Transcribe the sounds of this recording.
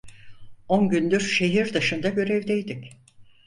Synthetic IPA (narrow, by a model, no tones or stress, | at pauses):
onɟynd̪yɾʃe̞ɦiɾd̪ɯʃɯnd̪aɟø̞ɾɛvd̪ejd̪ic